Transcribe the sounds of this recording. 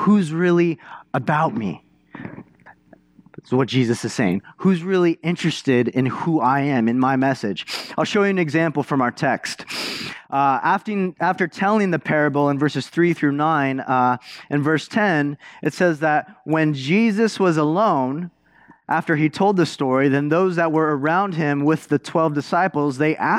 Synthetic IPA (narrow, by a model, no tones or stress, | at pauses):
huzɹɪlˠiəbaʊt̚mḭ | wʌt̚d̥ʒ̥izɨsɨz̥seɪɪ̰̃ŋhuzɹɪlˠiʔɪ̃nt͡ʃɹ̥ɨstɪɾɪ̃nhuaɪɨ̃mɨ̃nmaɪmɛsɪ̥d͡ʒaɪlˠʃoʊjɨɨ̃nɨɡzæ̃mpl̩ˠfɹʌ̃maʊə˞tʰɛkstʔæftɪ̃ŋæftə˞tʰɛlˠɪ̃ŋðɨpʰɛɹɨbl̩ˠə̃nvɜ˞sɨz̥θɹiθɹʉnãɪ̃nʔɨ̃nvɜ˞stʰɛ̃nʔɨtsɛzðɨt̚wɨ̃nd͡ʒizɨswʌzəlõʊ̃n | ʔæftə˞itʰoʊlˠd̪̚ðɨstɔɹiðɨ̃nðoʊzðət̚wə˞ə˞ãʊ̃nd̚ɪ̃mwɪðɨtʰw̥ɛlˠvdɨsaɪpl̩ˠzðeɪʔæ